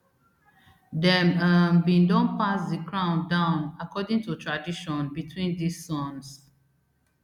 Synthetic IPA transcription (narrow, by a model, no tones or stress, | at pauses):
dɛ̃mənbĩndɔ̃npasdikɹãʊ̃ndãʊ̃nakɔdĩŋtutʰɹadiʃɔ̃nbitʰwĩndisːɔ̃ns